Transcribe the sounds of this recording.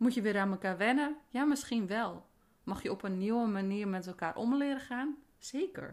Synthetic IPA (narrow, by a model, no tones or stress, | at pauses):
mutjəʋɪɾaməkaːɹʋɛnəjamɪskinʋɛlˠ | mɔxjəɔpənːiwəmaniəɹmɛtɛlˠkaːrʔomlɪəɾəxaːn | seːkə̰ɹ